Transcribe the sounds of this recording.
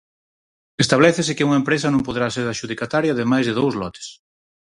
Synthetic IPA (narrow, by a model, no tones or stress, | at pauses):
est̪aβlɛθɪsɪkɪuŋɐempɾes̬ɐnõmpoðɾaseɾðaʃuðikat̪aɾjaðemajzðeð̞owzlɔt̪ɪ̥s